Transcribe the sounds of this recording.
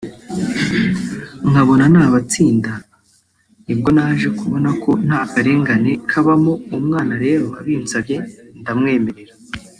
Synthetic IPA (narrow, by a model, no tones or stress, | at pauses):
ŋaβo̞nanaːβat͡siːnda | nibɡo̞naʒe̞kuβo̞nako̞n̥haːkaɾe̞ːŋɡane̞kʰaβamoumŋaːnaɾe̞ːɾo̞a̰βiːnzabje̞ndamŋe̞ːme̞ɾe̞ɾa